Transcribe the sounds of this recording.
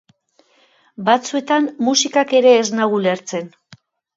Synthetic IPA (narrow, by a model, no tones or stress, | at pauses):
bat͡sue̞t̪ammusikake̞ɾe̞ːznaɣuleɾt͡se̞n